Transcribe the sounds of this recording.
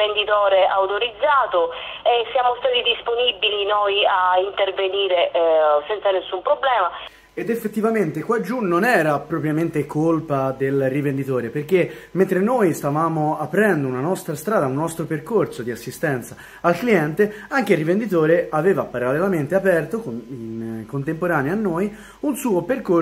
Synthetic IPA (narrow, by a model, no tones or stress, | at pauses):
end̪it̪ɔːɾeawt̪oɾid̪zːaːt̪oesːjaːmost̪aːt̪id̪isponibilinojaint̪erveniːɾesɛnt̪sanesːumpɾoblɛːma | ed̪efːet̪ːivament̪ekwad͡ʒːunːonɛːɾapɾɔpɾjament̪ekʰolpad̪elrivend̪it̪oːɾeperk̟ement̪ɾenoːjst̪avaːmoapːɾɛnd̪ounanɔst̪ɾast̪ɾaːd̪aunːɔst̪ɾoperkorsod̪iasːist̪ɛnt̪sa | alkliɛnt̪eaŋk̟eilrːivend̪it̪oːɾeaveːvapaɾalːelament̪eapɛrt̪okoinkont̪empoɾaːneaːnːoːj | unsuːoperko